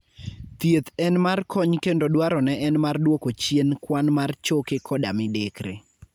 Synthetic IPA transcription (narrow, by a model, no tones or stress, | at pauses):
t̪jet̪ɛnmarkʰɔɲkendodwaɾɔnɛʔɛnmardwokot͡ʃienkwanmart͡ʃokekʰɔdamɪdekɾḛ